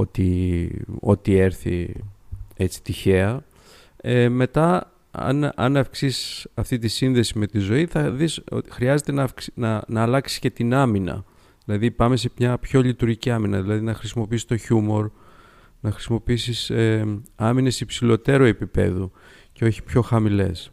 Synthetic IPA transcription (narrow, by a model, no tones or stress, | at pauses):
o̞t̪i | o̞t̪ie̞ɾθḭ | e̞t͡si̥t̪içe̞ɐ | eme̞t̪ɐ | ɐ̰nɐ̰nɐfksissɐft̪it̪isinðe̞sime̞t̪izo̞iθɐðiso̰xɾiɐze̞t̪e̞nɐfknɐnɐːlɐksi̥sce̞t̪inɐminɐ̰ | ðilɐðipɐmesemɲɐpço̞lit̪uɾʝiciɐminɐðilɐðinɐxɾisimo̞piisst̪oçumo̞ɾ | nɐxɾi̥simo̞piisiseɐmine̞sipsilo̞t̪e̞ɾoe̞pipe̞̰ðu | ce̞o̞çi̥pço̞xɐmile̞̰s